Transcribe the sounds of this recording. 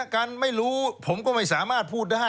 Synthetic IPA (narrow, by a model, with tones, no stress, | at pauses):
ka˧nma˥˩jɾuː˦˥pʰo˩˦mkɔː˥˩ma˥˩jsaː˩˦maː˥˩t̪̚pʰuː˥˩t̪̚daː˥˩